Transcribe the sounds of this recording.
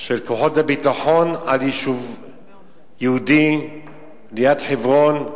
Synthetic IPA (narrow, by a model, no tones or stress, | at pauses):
ʃelkoħotabitaħonaliʃuv | jehudi | lijatħevʁon